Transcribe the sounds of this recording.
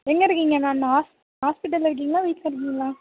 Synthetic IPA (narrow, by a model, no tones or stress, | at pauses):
ɛŋɡɐɪɾɯkːiːŋɡɐnãːnɐɦaːs | ɦaːspɪʈ̬ːɐlɪɾɯk̬ːiːŋɡɐlãːʋɐɪkaɪɾɯk̬ːiːŋɡɐlãː